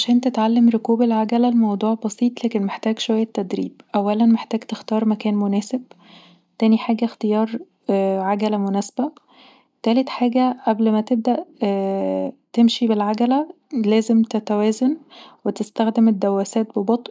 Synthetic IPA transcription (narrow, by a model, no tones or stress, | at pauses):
ʕaʃæːnt̪et̪ʕalːemɾokuːbælʕaɡælælmɑwd̪ˤuːʕbɑsiːt̪ˤlæːkenmeħt̪æːɡʃowæjːæt̪ːæd̪ɾḭːb̚ʔæwːælænmeħt̪æːɡt̪ext̪ɑːɾˤmækæːnmonæːseb̚ | t̪æːniħaːɡæxt̪ejɑːɾˤ | ʕaɡælæmonæsbæ | t̪æːlet̪ħaːɡæʔæblmæt̪eb̚d̪æʔ | t̪emʃibelʕaɡælæ | læːzemt̪et̪æwæːzænwet̪est̪æxd̪emed̪ːæwːæsæːt̪̚bebɑt̪ˤ